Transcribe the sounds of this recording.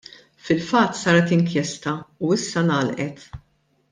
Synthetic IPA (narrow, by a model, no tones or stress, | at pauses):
fɪlfɐt̪ːsɐːɾɛt̪ɪŋkjɛst̪ɐuɪsːɐnɐːlʔɛt̪